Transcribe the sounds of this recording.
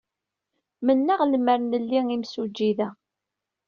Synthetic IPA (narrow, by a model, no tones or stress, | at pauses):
mənːaʁlmːəɾnəlːiŋimsud͡ʒːiðæ